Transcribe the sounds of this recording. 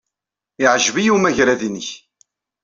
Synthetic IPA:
ɪʕʒvijumæʝɾæðinəç

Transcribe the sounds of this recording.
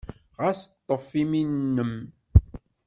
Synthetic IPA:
ʁæst̪ˤːəfːiminːəm

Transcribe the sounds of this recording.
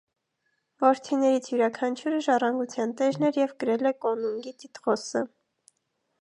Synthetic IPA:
vɔɾt̪ʰinɛɾit͡sʰjuɾɑkʰɑnt͡ʃʰuɾəʒɑrɑŋɡut͡sʰjɑnt̪ɛʒnɛɾjɛvɡəɾɛlɛkɔnuŋɡit̪it̪ʁɔsə

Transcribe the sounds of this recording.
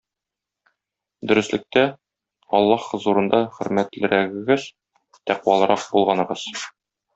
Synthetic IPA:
d̪ɵ̆ɾɘ̆slɘ̆k̚t̪æ | ɒlˠːɑχɤ̆zuɾɤ̆nd̪ɑχɵ̆ɾmæt̪lɘ̆ɾæɡɘ̆ɡɘz | t̪æqwɑlˠɤ̆ɾɑq̚bulˠʁɑnɤ̆ʁɤz̥

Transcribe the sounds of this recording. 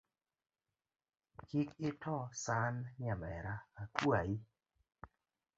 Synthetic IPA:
kikɪtɔsanɲamɛɾaːkwai

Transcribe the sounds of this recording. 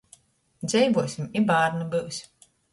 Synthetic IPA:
d̪zʲɛjvuɔsʲimibaːɾnɨbɨws

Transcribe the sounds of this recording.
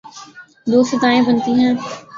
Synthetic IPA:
d̪oːsɪt̪aːẽːbənt̪iːɦɛ̃ː

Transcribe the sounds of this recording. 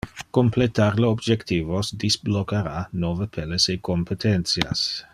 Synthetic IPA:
komplet̪arleobd͡ʒekt̪iːvosd̪isblokːaɾanovəpʰɛlesekompet̪ʰɛnt̪sja̰s

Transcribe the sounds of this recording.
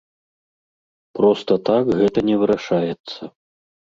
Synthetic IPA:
pɾɔst̪ɐt̪akɣɛt̪ɐnʲɛvɨɾaʂajɛt̪sːɐ

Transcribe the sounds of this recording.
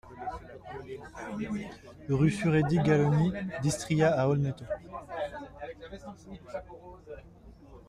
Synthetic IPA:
ʁyfyʁed̪iɡalɔnid̪ist̪χiaaɔlnɛt̪o

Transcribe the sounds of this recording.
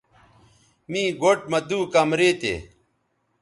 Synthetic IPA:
mĩːɡoʈ̚məd̪uːkamɾeːt̪ḛː

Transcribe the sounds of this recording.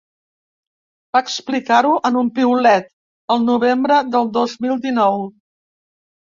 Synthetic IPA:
b̥aːksplikaɾuʔənumpiulɛt̪ | əlˠnuβembɾəðəlˠd̪ozmilˠd̪inɔw

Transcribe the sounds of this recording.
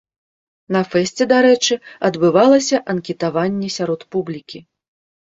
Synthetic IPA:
nɐfɛsʲt͡sʲɛd̪aɾɛt͡ʂɨɐd̪bɨvalˠɐsʲɐʔɐnkʲɛt̪avanʲːɛsʲaɾɔt̪publʲikʲi

